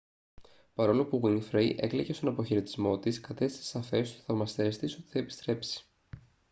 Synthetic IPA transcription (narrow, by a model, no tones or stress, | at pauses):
pɐɾo̞lopuɣwiŋfɾejʔe̞̰kleʝest̪o̞nɐpo̞çeɾet̪i̥zmo̞t̪iskɐt̪e̞st̪isesɐfe̞st̪o̥θɐvmɐst̪e̞st̪iso̞t̪i̥θɐepist̪ɾe̞psi̥